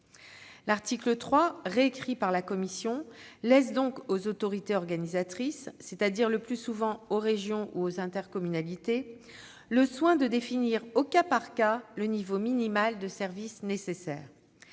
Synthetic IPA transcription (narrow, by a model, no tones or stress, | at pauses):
laʁt̪iklət̪χwaʁeːkχipaʁlakɔmisjɔ̃lɛsd̪ɔ̃kozot̪ɔʁit̪eɔʁɡanizat̪χisːet̪ad̪iʁləplysuvɑ̃oʁeʒjɔ̃ʔuozɛ̃t̪ɛʁkɔmynalit̪e | ləswɛ̃d̪əd̪efiniʁokapaʁkalənivominimald̪əsɛʁvisnesesɛːʁ